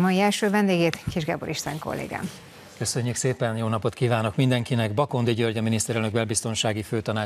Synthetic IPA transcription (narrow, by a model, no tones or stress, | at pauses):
mɒjiɛlʃøːvɛnd̪eːɡeːt̪kiʒɡɛ̰boɾʔiʃt̪aŋko̰lːḛːɡa̰ːm | kø̞sø̞ɲːykseːpɛnjoːnɒpo̞t̪kiːvaːno̞kmind̪ɛŋkinɛɡbɒko̞nd̪iɟørɟɒminist̪ɛɾɛlnøɡ̚bɛlbist̪o̞nʃaːɡiføːt̪ɒnaː